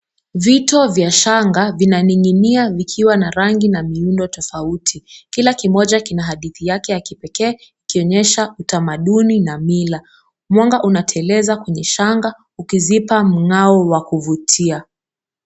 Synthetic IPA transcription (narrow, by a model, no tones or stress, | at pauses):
vitɔvjaʃaŋɡavinaniŋiniavikʰiwanaɾaŋɡinamiundɔtɔfautʰikilakimɔʄakinaɦaɗiθijakɛjakipɛkɛːikiɔɲɛʃautamaɗuninamila | mwaŋɡaʔunatʰɛlɛzakwɛɲɛʃaŋɡa | ukizipam̩ŋaɔwakuvutʰia